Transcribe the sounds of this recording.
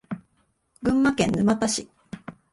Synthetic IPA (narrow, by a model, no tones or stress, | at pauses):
ɡɯ̟̃mːakẽ̞nːɯmat̪aɕi